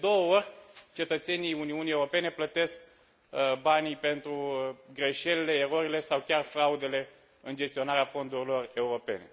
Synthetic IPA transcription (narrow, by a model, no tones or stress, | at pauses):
d̪o̞wəo̞rʲt͡ʃe̞t̪ət̪se̞niuniunie̞uɾo̞pe̞ne̞plət̪e̞sk̚ | banipe̞nt̪ɾuɡɾe̞ʃe̞lele̞ːɾo̞ɾile̞sawkʲarfɾaud̪e̞le̞ | ɨnd͡ʒe̞st̪io̞naɾeafo̞nd̪urʲilo̞re̞uɾo̞pe̞̰ne̞̰